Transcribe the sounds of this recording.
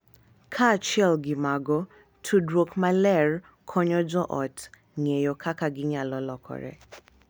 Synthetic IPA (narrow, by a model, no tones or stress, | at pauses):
kʰat͡ʃɛlɡɪmaɡɔ | tʰudɾokmalɛr | kʰɔɲɔd͡ʒɔʔɔt | ŋejɔkʰakaɡɪɲalɔlɔkʰɔ̰ɾɛ̰